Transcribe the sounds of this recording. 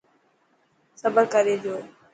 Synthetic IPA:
səbəɾkəɾeːd͡ʑoː

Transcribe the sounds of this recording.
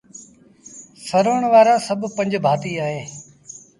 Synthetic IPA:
səɾoːɳʋaːɾaːsəbʱpə̃ɲd͡ʒbʱaːt̪iːaːɦeː

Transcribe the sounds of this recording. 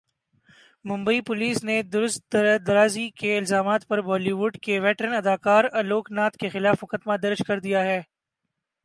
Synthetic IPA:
mʊ̃mbəipʊliːsned̪ʊɾʊst̪̚d̪ɐɾaːzikeɪlzaːmaːt̪pɐɾbɔːliʋʊɖkeʋɛːʈɾənɐd̪aːkaːɾɐloːknaːt̪kexɪlaːfmʊkəd̪mad̪ɐɾd͡ʒkɐɾd̪ijaɦɛː

